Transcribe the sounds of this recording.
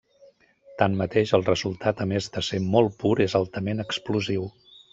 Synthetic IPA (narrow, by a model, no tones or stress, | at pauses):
t̪anmət̪eʃəlˠrəzulˠt̪ʰat̪əmezðəsemɔlˠpuɾezalˠt̪əmenəkspluziw